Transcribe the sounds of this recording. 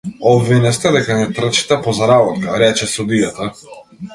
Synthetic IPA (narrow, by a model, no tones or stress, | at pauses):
ɔbvinɛst̪ɛd̪ɛkanɛt̪r̩t͡ʃi̥t̪ɛpɔzaɾabɔt̪kaɾɛt͡ʃɛsud̪ijat̪a